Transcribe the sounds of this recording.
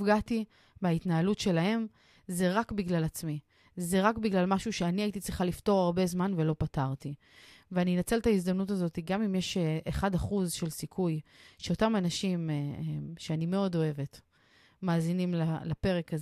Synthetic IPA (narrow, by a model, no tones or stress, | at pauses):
fɡati | meaitnaalutʃe̞lahe̞m | ze̞ʁakbiɡlalat͡smi | zeʁakbiɡlalmaʃuʃe̞aniaitit͡sʁiχalifto̞ʁaʁbe̞zmanvelo̞pataʁti | veaninat͡se̞ltaizd̪amnutazo̞tiɡamimjeʃeʔeχadaχuzʃe̞lsikʰujʃe̞o̞tamanaʃimeʃeanime̞o̞do̞e̞ve̞t | maːzinimlalape̞ʁekaz